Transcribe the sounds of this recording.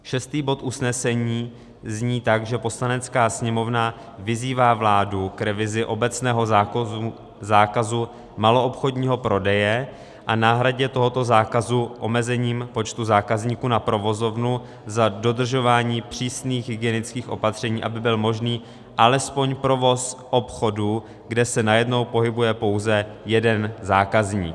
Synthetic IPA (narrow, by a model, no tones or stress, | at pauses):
ʃɛst̪iːbo̞t̪ʔusnɛsɛɲiː | zɲiːt̪aɡʒɛpo̞slanɛt͡skaːsɲɛmo̞vna | vɪziːvaːvlaːdukɾɛvɪzɪʔo̞bɛt͡snɛːɦo̞ | zaːkazu | malo̞ʔopxo̞dɲiːɦo̞pɾo̞dɛjɛ | ʔanaːɦɾaɟɛt̪o̞ɦo̞t̪o̞zaːkazuʔo̞mɛzɛɲiːmpo̞t͡ʃt̪uzaːkazɲiːkunapɾo̞vo̞zo̞vnu | zado̞d̪r̩ʒo̞vaːɲiːpr̝̥iːsniːɣɦɪɡɪjɛnɪt͡skiːxʔo̞̰pat̪r̝̥ɛɲiːʔa̰bɪbɪlmo̞ʒniː | ʔalɛspo̞ɲpɾo̞vo̞sʔo̞pxo̞du | ɡdɛsɛnajɛdno̞wpo̞ɦɪbujɛpo̞wzɛjɛdɛnzaːkazɲḭːk